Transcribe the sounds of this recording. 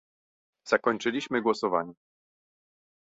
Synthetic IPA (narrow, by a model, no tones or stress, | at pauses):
z̥akɔɲt͡ʂɘlʲiɕmɘɡwɔsɔvaɲɛ